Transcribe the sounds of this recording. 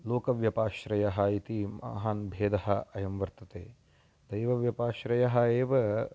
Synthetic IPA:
loːkɐʋjɐpaːʃɾɐjɐɦɐit̪imɐa̰ɦaːnbʱeːd̪ɐɦɐ̆ɐjɐmʋɐɾt̪ɐt̪eː | d̪ɐjʋɐʋjɐpaːʃɾɐjɐɦɐeːʋɐ

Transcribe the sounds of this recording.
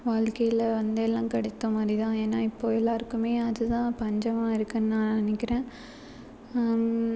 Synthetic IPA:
ʋaːɻkɐjɪlɐʋɐnd̪ɛlːãːkɐɽɛt̪ːɐmaːd̪ɾit̪ãːeːnːaːɪpːoːɛlːaːɾkːɯmeːɐðɯt̪ãːpɐɲd͡ʒɐmãːɪɾɯkːɯnnãːnɐnːɪkːɪɾẽː

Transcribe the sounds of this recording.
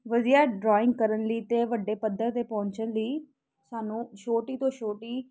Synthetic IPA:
ʋəziaːɖɾɔːɪ̃ŋɡ̚kəɾənliːt̪eːʋəɖːeːpəd̪əɾt̪eːpɔ̃ːɲt͡ʃənliː | saːnũːʃoːʈiːt̪õːʃoːʈiː

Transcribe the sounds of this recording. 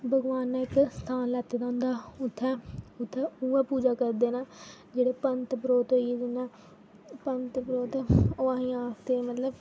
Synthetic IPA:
bʱəɡʋaːnːɪkst̪ʰaːnlɛːt̪eːd̪ãːnd̪aːʊt̪ʰːɛ̃ːʊt̪ʰːɛːuːãːpuːd͡ʒaːkəɾd̪eːnaːd͡ʒeːɽeːpənt̪pɾoːt̪oieːd͡ʒɪnãː | pənt̪pɾoːt̪ːoːãːɦĩːaːst̪eːmət̪ləb

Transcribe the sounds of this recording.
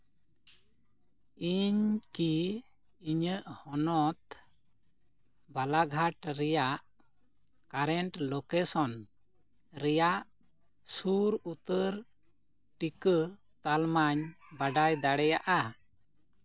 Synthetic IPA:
iɲkiː | ɲəʔhɔnɔt̪ | balaɡʱaʈɾɛjaʔ | kaɾɛɳʈlɔkɛsɔn | ɾɛjaʔsuɾut̪əɾ | ʈikət̪almaɲbaɖajd̪aɽɛjaʔa

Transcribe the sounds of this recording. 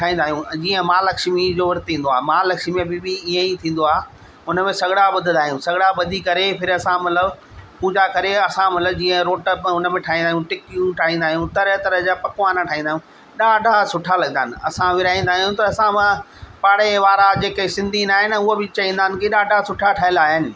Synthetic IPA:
ʈʰaːɦĩːnd̪aːɦjũd͡ʑiːə̃maːlɐkʃmid͡ʑoːʋɐɾt̪ʰĩːn̆d̪oaːɦmaːlɐkʃmibɪbɪiːẽit̪ʰĩːnd̪oaː | ʊnəmẽsɐɡɽaɓʊd̪ʱɪ̃nd̪aːɦijũsɐɡɽabɐd̪ʱikɐɾepʰɪɾɐsãmɐt̪ləb | pũːd͡ʑakɐɾeɐsãmɐt̪ləbd͡ʑiːə̃ɾoːʈəpʊnəmẽʈʰaːĩːnd̪aːɦjũʈɪkjũʈʰaːɦĩːn̆d̪aːɦijũt̪ɐɾɦt̪ɐɾəd͡ʑaːpɐkʋaːnaʈʰaːĩnd̪aːɦjũ | ɗaːɖʱasʊʈʰalɐɡənaːnɪ̆ɐsãʋɪɾaːĩːn̆d̪aːɦijũt̪ɐɐsãmã | paːɽeʋaːɾad͡ʑeːkesɪ̃nd̪ʱinaːɦɪnʊɦobɪt͡ɕɐʋĩːnd̪aːnɪ̆kiɗaːɖʱasʊʈʰaʈʰaːɪlaːɦɪnɪ̆

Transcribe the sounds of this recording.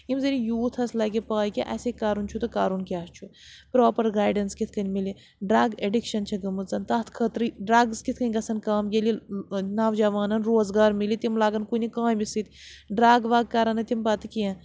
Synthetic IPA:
imzɐɾʲijuːt̪ʰɐslɐɡipaːjkiʔɐ̰sekaːɾunt͡ʃʰut̪ɨkaːɾunkʲaːst͡ʃʰu | pɾoːpɐɾɡaːjɖɐnskit̪ʰkɐnʲmili | ɖɾɐːɡeɖikʃɐnt͡ʃʰɐɡɐmɨzɐnt̪ɐːt̪ʰkʰət̪ɾiɖɾɐːɡzkit̪ʰkɐnʲɡɐsɐnkaːmjelinaːʋd͡ʒɐʋaːnɐnɾoːzɡaːɾmilit̪imlaːɡɐnkunʲikãːmisit̪ʲɖɾaːɡʋaːɡ̚kɐɾɐnɐt̪impɐt̪ɨkiɐ̃

